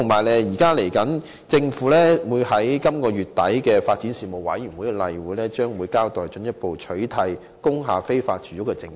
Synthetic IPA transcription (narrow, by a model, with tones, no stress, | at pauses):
ʊ˨˩ŋmaː˨˩jlɛ˨jiː˨˩kaː˥le˨˩jkɐ˨˥n | t͡sɪ˧ŋfuː˨˥lɛː˥wuː˨˧jhɐ˨˥jkɐ˥mkɔː˧jyː˨t̚t̪ːɐ˨˥jkɛː˧faː˧t̚t͡siː˨˥nsiː˨˧mo˨wɐ̰˨˥jyː˨˩nwu˨˥jɡɛ˧lɐ˨jwuː˨˥lɛː˥t͡ʃœː˥ŋwuː˨˥jkaː˥wt̪ɔː˨jt͡ʃɵ˨˥njɐ˥t̚po˨wt͡ʃʰɵ˨˥ɥt̪ʰɐ˧j | kʊ˥ŋɦaː˨˩fe˥jfaː˧t̚t͡ʃyː˨˥ʊ˥kːɛ˧t͡sɪ˧ŋ˦